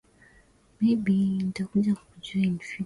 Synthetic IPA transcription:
miɓinitakuʄakuʄuainfi

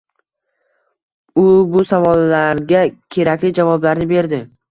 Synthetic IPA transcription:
ʊbʊsavɒlˠːaɾɡʲakʲʰe̞ɾakʲlɪd͡ʒavɒblaɾnɪbe̞ɾd̪ɪ

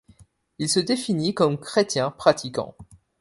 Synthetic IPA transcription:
ilsəd̪efinikɔmkχet̪jɛ̃pχat̪ikɑ̰̃

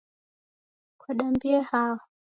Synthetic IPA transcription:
kwaɗambiɛhawɔ

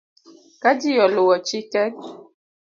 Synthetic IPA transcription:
kad͡ʒijɔlowɔt͡ʃikɛn̚

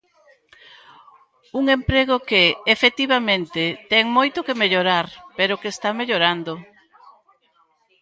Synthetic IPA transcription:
uŋempɾeɣokeːfet̪iβamẽnt̪et̪ɛŋmojt̪okemeʎoɾaɾpeɾʊkest̪ameʎoɾand̪o

